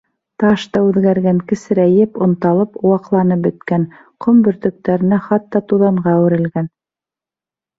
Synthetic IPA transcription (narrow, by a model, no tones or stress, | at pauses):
t̪ɑʃt̪ɑʉðɡæɾɡæŋkɘ̆sɘ̆ɾæjɘpŏnt̪ɑlˠɤpowɑqlˠɑnɤp̚bɵ̆t̪kæn | qʰombɵ̆ɾt̪ɵ̆k̚t̪æɾɘ̆næχɑt̪ːɑt̪uðɑɴɢɑːwɘ̆ɾɘ̆lɡæn